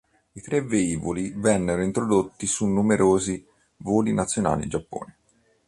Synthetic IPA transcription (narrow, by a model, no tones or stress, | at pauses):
it̪ɾeveiːvolivɛnːeɾoint̪ɾod̪ot̪ːisunːumeɾʔoːzi | voːlinat̪sːjona̰ːlḭd͡ʒapːo̰ːne